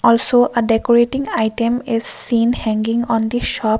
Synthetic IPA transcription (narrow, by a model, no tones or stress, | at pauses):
ɔlsoʔəɖekoɹeʈĩŋaɪʈẽmɪz̥sĩːnhɛ̃ŋɡɪ̃ŋɔ̃nd̪iʃɔp